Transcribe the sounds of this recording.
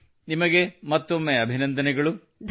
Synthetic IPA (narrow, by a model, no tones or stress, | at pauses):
nimɐɡe̞mɐt̪ːo̞mːeːɐbʱinɐnd̪ɐnɛɡɐɭu | d̪